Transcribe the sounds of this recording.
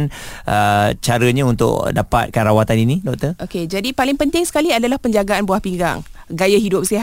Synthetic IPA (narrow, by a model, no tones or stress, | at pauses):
nʔət͡ʃaɾəɲaunt̪ʊ̰k̚dapa̰t̪̚kanrawat̪aninidɔk̚t̪ərʔoked͡ʒadipalɪŋpənt̪ɪŋsə̥kaliadalahpəɲd͡ʒaɡaanbuahpiŋɡa̰ŋɡajaɦidʊp̚siɦa